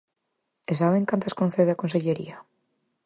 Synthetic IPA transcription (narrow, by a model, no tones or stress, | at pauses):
esaβeŋkant̪askõnθeðeakonseʎeɾḭa